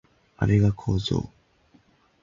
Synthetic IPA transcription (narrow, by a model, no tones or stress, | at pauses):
a̰ɾe̞ɡakʰoːzo̰ː